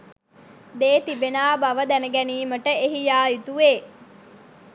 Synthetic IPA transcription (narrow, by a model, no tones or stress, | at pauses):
d̪eːt̪ibenaːbaʋəd̪ænəɡæniːməʈəeɦijaːit̪uʋeː